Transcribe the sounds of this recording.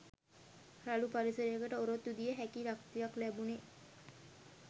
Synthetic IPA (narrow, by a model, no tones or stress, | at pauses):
ɾalupaɾisəɾejəkəʈəoɾot̪ːud̪ijəɦækiɾak̚t̪ijaklæbune